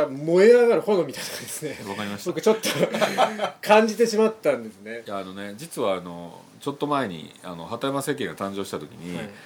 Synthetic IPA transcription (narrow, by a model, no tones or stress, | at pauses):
mo̞enaɣaɾɯ̟ho̞nomʲit̪ait̪okad̪esɨne̞βakaɾʲimaɕi̥tbaokɯt͡ɕo̞t̪ːo | kʰãɲ̟d͡ʑit̪e̞ɕimat̪ːãnd̪e̞sɨnejaːnone̞d͡ʑit͡sɨβaːno̞̰ | t͡ɕo̞t̪ːo̞mae̞ɲ̟ḭa̰no̞hat̪aemase̞ːk̬ẽ̞ŋɡat̪ãɲd͡ʑo̞ːɕi̥t̪at̪o̞kʲiɲ̟i